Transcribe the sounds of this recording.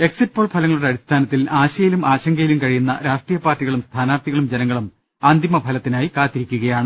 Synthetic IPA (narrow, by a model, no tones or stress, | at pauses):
e̞ksit̚ːpo̞ːɭpʰɐlɐŋɐɭuɽe̞ɐɽist̪ʰaːnɐt̪ːilaːɕɐjilumʔaːɕɐŋɡɐjilumkɐɻijunːɐ̰ɾaːʂʈrijɐpaːrtːiɣɐɭumst̪ʰaːnaːrt̪iɣɐɭumd͡ʑenɐŋːɐɭum | aːnd̪ʱimɐbʱɐlɐt̪ːinaːjikaːt̪ːiɾikʲːuɣɐjaːɳɨ